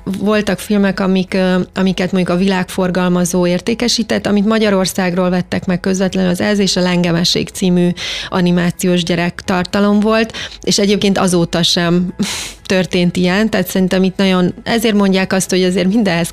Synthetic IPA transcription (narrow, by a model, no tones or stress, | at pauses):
vo̞lt̪ɒkfilmɛkɒmikɒmikɛt̪mo̞ɲɟukɒvilaːkfo̞rɡɒlmɒzoːeːrt̪eːkɛʃiːt̪ɛt̪ːɒmit̪mɒɟɒɾo̞rsaːɡroːlvɛt̪ːɛkmɛkːø̞zvɛt̪lɛnɒzɛzeːʃɒlɛŋɡɛmɛʃḛːkt̪siːmyʔɒnimaːt̪sijoːʒɟɛɾɛkt̪ɒrt̪ɒlo̞mvo̞lt̪eːʃɛɟeːp̚keːnt̪ɒ̰zoːt̪ɒʃɛmt̪ø̞rt̪eːnt̪ijɛnt̪ɛːt̪sɛɾint̪ɛmit̪nɒɟo̞nɛzeːrmo̞ɲɟaːkɒst̪ho̞ɟɛzeːrmind̪ɛɦɛs